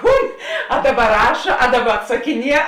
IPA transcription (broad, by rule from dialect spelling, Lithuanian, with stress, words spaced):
ˈkuːn ɐ ˈdɑːˌbɐ ˈrɑːʃɐ ɐ ˈdɑːˌbɐ ɐtsɐˈkʲɪˌnʲiɛ